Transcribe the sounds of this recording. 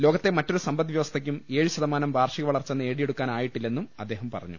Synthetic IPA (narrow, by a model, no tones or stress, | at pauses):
loːɡɐt̪ːemɐtːo̞ɾusɐmbɐnːiʋjɐʋɐst̪ʰɐk̬ʲːume̞ːɻɨɕɐðɐmaːnɐmʋaːrʂiɣɐʋɐɭɐrt͡ɕːenːɨe̞ːɽijeɽukːaːnaːjiʈːilːe̞nːumɐd̪ːe̞ːɦɐmpɐ̰rɐ̰ɲːṵ